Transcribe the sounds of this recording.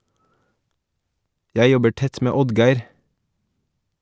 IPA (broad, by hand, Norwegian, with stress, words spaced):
ˈjæɪ ˈjɔbə ˈʈɛt ˈmeː ˈɔdɡæɪɾ